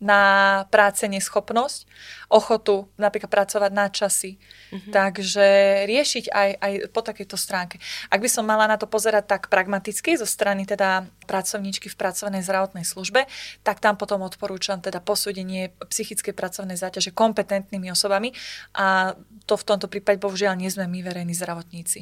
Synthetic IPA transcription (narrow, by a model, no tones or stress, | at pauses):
napɾaːt͡sɛɲɛsxɔpnɔsc | ʔɔxɔt̪unapɾiklat̪pːɾat͡sɔʋaɟnat͡ʃasit̪aɡʒɛɾɪɛʃiɟajʔajpɔt̪akɛjt̪ɔst̪ɾaːŋkɛʔaɡ̚bisɔmːalanat̪ɔpɔzɛɾac̚t̪ːakpɾaɡmat̪it͡skizɔst̪ɾanit̪ɛd̪apɾat͡sɔʊɲiːt͡ʃkifpɾat͡sɔʊnɛjzd̪ɾaʋɔt̪nɛjsluʒbɛt̪akt̪ampɔt̪ɔmɔt̪pɔɾuːt͡ʃamt̪ɛd̪apɔsuːɟɛɲɪɛpsixit͡skɛjpɾat͡sɔʊnɛjzaːcaʒɛkɔmpɛt̪ɛnt̪nimiɔsɔbamiʔat̪ɔft̪ɔmt̪ɔpɾiːpaɟɛbɔɦuʒɪalɲɪɛzmɛmiʋɛɾɛjnizd̪ɾaʋɔt̪ɲiːt͡si